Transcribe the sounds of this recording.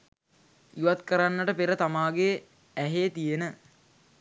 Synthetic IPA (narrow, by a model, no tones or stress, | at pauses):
juʋat̪kəɾanːəʈəpeɾət̪amaːɡe | æɦeːt̪ijenə